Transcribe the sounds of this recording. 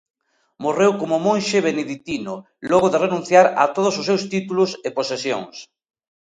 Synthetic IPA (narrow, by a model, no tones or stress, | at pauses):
morewkomʊmõnʃeβeneðit̪inʊ | lɔɣoðerenũnθjaɾɐ̰t̪oð̞ʊsʊsːewst̪it̪ulʊsɪposesjo̰ŋs